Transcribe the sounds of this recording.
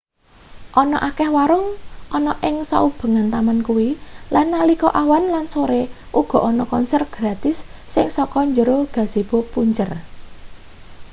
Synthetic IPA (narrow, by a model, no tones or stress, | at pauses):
ʔɔnɔ̰ʔakɛhwaɾʊŋʔɔnɔʔɪŋsa̰ub̥ə̤ŋant̪amankuwilanːalikɔʔawanlansoɾe | ʔuɡ̥ɔ̤ʔɔnɔkɔnsɛrɡ̥ɾat̪ɪsːɪŋsɔkɔɲd͡ʒəɾoɡ̥a̤z̥e̤b̥opuɲd͡ʒər